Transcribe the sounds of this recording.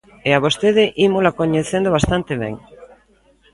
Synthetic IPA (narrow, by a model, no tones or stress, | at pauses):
eaβost̪eðɪʔimolakoɲeθend̪oβ̞ast̪ant̪eβɛ̰ŋ